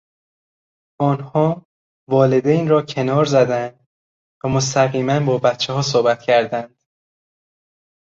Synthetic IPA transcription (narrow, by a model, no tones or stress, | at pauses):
ʔɒːnhɒː | vɒːle̞d̪ejnɾɒːcʰe̞nɒːɾzæd̪ænd̪̚ | væmos̬t̪ʰæɣiːmænbɒːbæt̪t͡ʃʰːeɦɒːs̬oːbæt̪ʰcʰæɾd̪ænd̪̥